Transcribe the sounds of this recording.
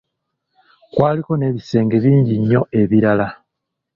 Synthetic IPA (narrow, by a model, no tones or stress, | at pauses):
kwaːliko̞ne̞βise̞ːŋɡe̞βiːɲɟiɲːo̞e̞βiɾala